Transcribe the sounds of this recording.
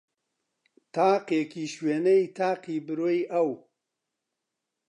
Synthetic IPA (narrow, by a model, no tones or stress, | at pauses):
t̪aːqekiːʃweːnɐjt̪ʰaːqiːbɨɾoːjʔɐw